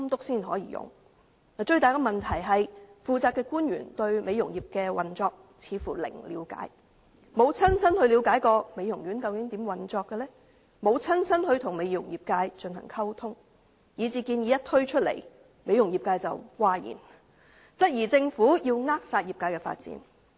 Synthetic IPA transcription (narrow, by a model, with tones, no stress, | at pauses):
mt̪ʊ˥k̚siː˥nɦɔː˨˥jḭː˧˩jʊ̰˨ŋ | na˨˩t͡ʃɵ˧ɥt̪aː˨˩jkɔ˧mɐ˨nt̪ʰɐ˨˩jɦɐ˨jfuː˨˧t͡saː˧p̚kːɛː˧kuː˥nɥy̰ː˨˩nt̪ɵ˧ɥme˨˧jʊ˨˩ŋjiː˨˩p̚kɛː˧wɐ˨nt͡sɔː˧k̚ | t͡sʰiː˨˧fuː˨˩lɪ̰˨˩ŋliː˨˧wka̰ː˨˥j | mo˨˧wt͡sʰɐ˥nsɐ˥nhɵ˧ɥliː˨˧wkaː˨˥jkɔː˧me˨˧jʊ˨˩ŋɥy˨˥nkɐ˧wkɪ˨˥ŋt̪i˨˥mwɐ˨˩nt͡sɔː˧kːɛ˧lɛː˥ | mo˨˧wt͡sʰɐ˥nsʰɐ˥nhɵ˧ɥt̪ʰʊ˨˩ŋme˨˧jjʊ˨˩ŋjiː˨p̚kaː˧jt͡ʃɵ˧nhɐ̰˨˩ŋkʰɐ˥wt̪ʰʊ˥ŋ | jiː˨˧t͡siː˧kiː˧njiː˨˥jɐ˥t̚t̪ʰɵ˥ɥt͡ʃʰɵ˥t̚lḛ˨˩j | me˨˧jʊ˨˩ŋjiː˨p̚kaː˧jt͡sɐ˨wwaː˧jḭː˨˩n | t͡sɐ˥t̚jiː˨˩t͡sɪ˧ŋfuː˨˥jiː˧wŋaː˥k̚saː˧t̚jiː˨p̚kaː˧˥jkɛː˧fa̰ː˧t̚t͡sḭ˨˥n